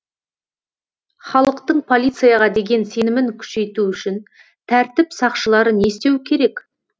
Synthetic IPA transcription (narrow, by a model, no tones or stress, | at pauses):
χɑlˠəqt̪əɴpʰo̞lʲijt̪sɨjaʁɑd̪e̞ɡʲe̞nse̞nɪmɪŋkʲʰʏ̥ʃe̞jt̪uʏʃɪn | t̪ʰæɾt̪ɪpsɑqʃəlˠɑɾəne̞st̪e̞wkʲʰe̞ɾe̞k